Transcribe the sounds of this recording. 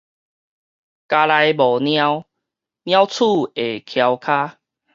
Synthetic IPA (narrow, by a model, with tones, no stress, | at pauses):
ka˧la˧jbɔ˨˩nj̃ã˦w | njã˦wt͡sʰu˥˨e˨˩kʰja˧wkʰa˦